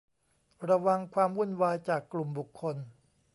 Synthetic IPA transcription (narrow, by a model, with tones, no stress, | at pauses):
ɾa˧wa˧ŋkʰwaː˧mwu˥˩˨nwaː˧jt͡ɕaː˨˩kːlu˨˩mbu˨˩kʰːo˧n